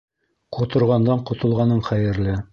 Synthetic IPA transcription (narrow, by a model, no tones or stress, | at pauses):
qŏt̪ŏɾʁɑnd̪ɑɴqŏt̪ŏlˠʁɑnɤɴχæjɘ̆ɾlɘ